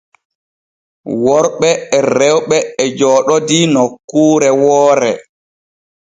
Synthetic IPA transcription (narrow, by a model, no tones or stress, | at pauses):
wɔɾɓɛɛrɛwɓɛɛd͡ʒɔːɗɔdinɔkːuːɾɛwɔːɾɛ